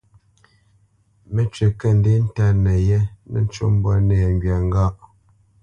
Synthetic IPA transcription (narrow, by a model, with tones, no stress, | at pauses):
me˦t͡ʃe˨kə˦˨n˦de˦n̩˦ta˦nɛ˨jɛ˦nɛ̰˦n̩˦t͡ʃo̰˦m˦bwɔ˦nɛ˨ɛ˨ŋ˨ɡɥa˨ŋ˦ɡa˦ʔ